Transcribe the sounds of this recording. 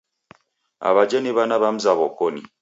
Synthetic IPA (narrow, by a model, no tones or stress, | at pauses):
a̰βad͡ʒeneβanaβam̩zaβokoni